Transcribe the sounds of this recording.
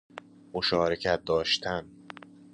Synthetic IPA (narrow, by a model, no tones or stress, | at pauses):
moʃɒːɾecʰæt̪̚d̪ɒːʃt̪ʰæn